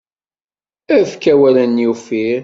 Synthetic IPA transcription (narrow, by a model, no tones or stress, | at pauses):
æfkːæwælænjufiɾ